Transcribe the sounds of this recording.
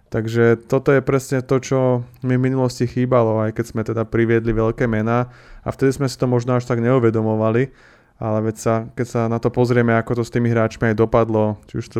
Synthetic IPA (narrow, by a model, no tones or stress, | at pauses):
t̪aɡʒɛt̪ɔt̪ɔjɛpɾɛsɲɛt̪ɔt͡ʃɔmivminulɔscixiːbalɔajkɛz̥mɛt̪ɛd̪apɾiʋɪɛd̪liʋɛʎkɛːmɛnaːa̰ft̪ɛd̪izmɛsi̥t̪ɔmɔʒnɔaʃt̪aɡɲɛuʋɛd̪ɔmɔʋali | alɛʋɛcsakɛcsanat̪ɔpɔzɾɪɛmɛakɔt̪ɔst̪iːmiɦɾaːt͡ʃmiajd̪ɔpad̪lɔt͡ʃiuʃt̪